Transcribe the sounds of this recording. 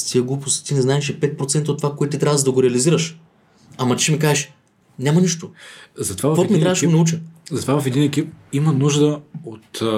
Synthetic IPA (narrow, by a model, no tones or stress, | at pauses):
t̪ʰiɛɡlˠupost̪inɛznaɛʃɛpɛt̪̚pɾot̪sɛnt̪əot̪ːovakoɛt̪t̪it̪ɾavəʒd̪ɐɡoɾɛɐliziɾəʃ | ɐmɐt͡ʃɛmikaɛʃ | nʲamɐniʃt̪ozɐt̪ovavvɔt̪mit̪ɾavəʃɛɡonɐut͡ʃɛzɐt̪ovavɐfɛd̪inɛkip̚imənuʒd̪əot̪